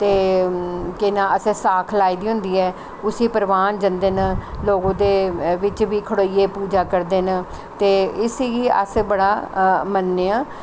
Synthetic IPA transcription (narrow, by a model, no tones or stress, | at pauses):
t̪eː | kɪnãːəsɛ̃ːsaːkʰlaːiːd̪iːɦʊ̃nd̪iːɛː | ʊsĩːpəɾʋaːnd͡ʒənd̪eːnaloːɡõːd̪eːʋɪt͡ʃʋiːkʰəɽoːiːeːpuːd͡ʒaːkəɾd̪eːnə | t̪eːɪsə̰sbəɽaːmənːeːãː